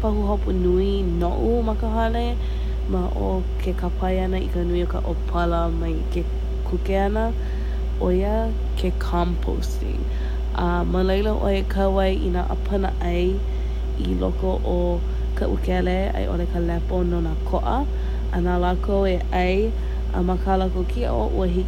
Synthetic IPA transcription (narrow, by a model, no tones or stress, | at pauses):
pahuɦopunui | noʔumɐkəɦɐle | maʔo | kʰekapʰɐjɐnəḭkənuiokə̰ʔopʰɐləmɐjke | kʰukeɐnə | ʔojə | kʰekʰampʰo̰ws | ḭ | ʔə | məlejləʔo̰ekʰɐwɐjʔinaʔə̰pʰənəʔɐj | ilokoʔo | kɐʔukɛle | ɐ̰jʔo̰lekəlɛpononakʰoʔə | ɐnalakʰoweʔɐj | ʔə̰makʰalakokʰiʔo̰ʔṵəɦi